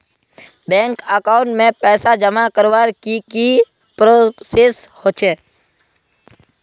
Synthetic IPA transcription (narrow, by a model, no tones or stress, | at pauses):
bɛ̃ːŋkəkãːʊ̃ɳʈmẽpɛːsad͡ʒəmakəɾʋaɾkiki | pɾoseshoːt͡ʃʰeː